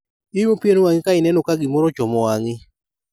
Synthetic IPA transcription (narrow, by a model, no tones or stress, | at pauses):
ɪmopjenowaŋɪkaɪnɛnɔkaɡɪmɔɾɔt͡ʃɔmɔaŋɪ